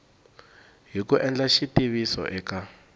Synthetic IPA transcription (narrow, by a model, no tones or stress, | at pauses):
ɦikuʔɛnd͡ɮaʃitiβisɔ̰ʔɛka